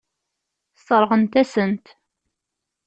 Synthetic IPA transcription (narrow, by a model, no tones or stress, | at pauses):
sˤəɾˤʁənt̪æsənt̪